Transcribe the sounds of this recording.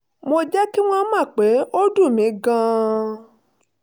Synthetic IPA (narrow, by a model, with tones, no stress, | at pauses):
mo˧d͡ʒɛ˦ki˦w̃ɔ̃˦mã˦˨k͡pe˨˦o˦du˦˨mĩ˨˦ɡã˧